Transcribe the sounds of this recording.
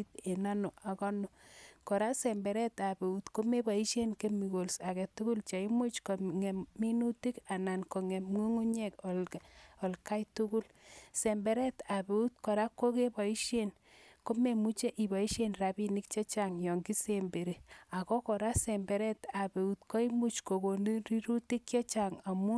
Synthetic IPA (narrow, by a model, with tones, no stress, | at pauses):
te˨na˦no˨a˨kɔ˦no˨kɔ˨ɾa˦sɛ˨mbɛ˨ɾɛ˦ta˨be˨u˦tko˦me˦ba˨i˦ʃje˦nke˦mi˨ko˨lsa˨kɛ˨tu˦ku˦lt͡ʃa˨i˦mo˦t͡ʃko˨ŋɛ˨mmi˦nu˦ti˦ka˨na˨nko˨ŋɛ˨mŋu˦ŋu˦ɲɛ˦kɔ˨lɔ˨lka˦jtu˦ku˦l | sɛ˨mbɛ˨ɾɛ˦ta˨pe˨u˦t̚kɔ˨ɾa˦ko˦ke˦ba˨i˦ʃje˦n | ko˦me˨mu˦t͡ʃe˦ʔi˨ba˨i˦ʃenra˨bi˦ni˦k̚t͡ʃe˦t͡ʃa˨ŋjɔ˨ŋɡi˦sembe˨ɾe˨a˨kɔ˦kɔ˨ɾa˦sɛ˨mbɛ˨ɾɛ˦ta˨pe˨u˨tkɔ˦i˦mu˦t͡ʃko˨ko˨ni˦ri˦ɾu˦ti˦kt͡ʃjɔ˦t͡ʃa˨ŋa˨mu˦